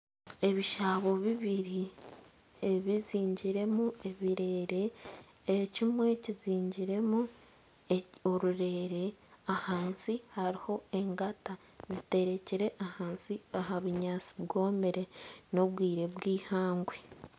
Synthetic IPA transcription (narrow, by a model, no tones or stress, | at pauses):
e̞βiʃaβo̞βiβiɾi | eβiziːɲɟiɾe̞mue̞βiɾe̞ːɾe̞ː | cimwe̞ciziːɲɟiɾe̞mu | eo̞ɾuɾe̞ɾe̞ahaːnsihaɾiho̞e̞ŋɡata | zite̞ɾe̞ciɾe̞ʔahaːnsiaɦaβuɲaːt͡si̥βɡo̞ːmbeɾe̞no̞βwiːɾe̞βwiːhaːŋɡwe̞